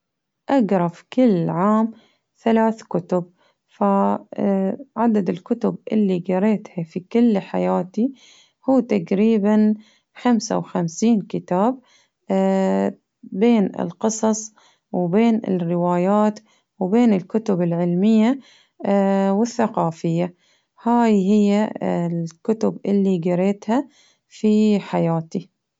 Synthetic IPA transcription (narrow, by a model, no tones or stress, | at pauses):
ʔaɡɾˤɑfkɪlːʕaːm | θalaːθkʊt̪ʊb | fa | ʕad̪ad̪ɪlkʊt̪ʊbʔɪlːiɡɑɾeːt̪hafikʊlːħa̰jaːt̪i | huːt̪aɡɾiːban | xamsa̰wxamsiːnkɪt̪aːb̚ | eːnɪ̰lqɨsˤɑsˤ | wbeːnɪ̰rːɪwaːjaːt̪ | wbeːnɪlkʊt̪ʊbɪlʕɪlmɪjːa | wɪθːaqɑːfɪjːa | haːjɦɪjːalkʊt̪ʊbʔɪlːiɡɑɾeːt̪ha | fiħajaːt̪i